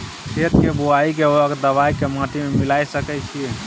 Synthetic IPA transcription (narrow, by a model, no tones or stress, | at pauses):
sʰet̪kebuaikeəɡd̪əʋajkemaʈ̪ʰimemilajsəkɛt͡ʃʰie